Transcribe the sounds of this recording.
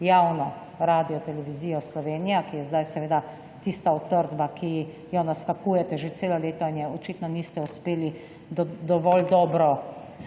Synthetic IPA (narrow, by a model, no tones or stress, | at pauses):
jawnɔ | ɾaːd̪ijɔt̪ɛlɛʋiziːjɔslɔʋeːnijakijɛzd̪ajsɛʋeːd̪a | t̪ist̪aɔt̪ːəɾd̪bakʰi | jɔnaskakuːjɛt̪ɛʒet̪seːlɔleːt̪ɔinjɛɔt͡ʃit̪nɔnist̪ɛuspeːli | d̪ɔʋɔld̪ɔːbɾɔ